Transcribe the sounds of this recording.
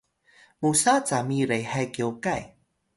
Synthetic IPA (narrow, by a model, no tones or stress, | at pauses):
musat͡samiɾejhajkiowkaj